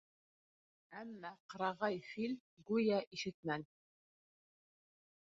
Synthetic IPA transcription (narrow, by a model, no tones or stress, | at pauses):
æmːæqɤ̆ɾɑʁɑjfilʲ | ɡujɑʔiʃɘ̆t̪̚mæn